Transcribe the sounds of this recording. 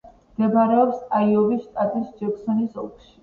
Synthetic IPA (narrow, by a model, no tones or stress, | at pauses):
md̪ɛbaɾɛɔpsaiɔvisʃt̪ʼat̪ʼisd͡ʒɛksɔnisɔ̰kʰʃi̥